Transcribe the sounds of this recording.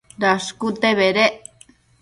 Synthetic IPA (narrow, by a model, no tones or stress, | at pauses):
d̪askut̪eβeɾe